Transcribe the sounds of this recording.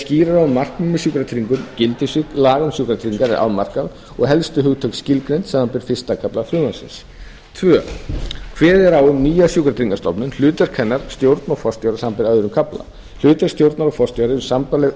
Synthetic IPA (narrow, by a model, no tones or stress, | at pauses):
sciːɾaɾawʏmːar̥kmumːɪsukɾat̪ʰɾiŋkʏmcɪlt̪ɪsɪt̪laːɣʏmsjuːkɾat̪ʰɾiŋkaɾɛɾʔa̰ðmar̥kað | ɔɣɦɛlst̪ʏɦʏɣt̪ʰœɥkscɪlkɾejnt̪saːmanpɪɾ̥fɪst̪akʰaplafɾʏːmansɪ̰ns | t̪ʰvœː | kʰvɛːðɛɾaːwʏmniːjasjuːkɾat̪ʰɾiŋkast̪ɔpnʏnl̥ʏːt̪ʏɾ̥kʰɛnːaɾ̥st̪jowɾt̪naɣfɔr̥st̪jɔwɾasampɪɾœðɾʏmkʰapla̰ | l̥ʏːt̪ɛɾ̥st̪jowɾt̪naɾɔfɔrst̪jɔɾɪʏ̥sampalɛ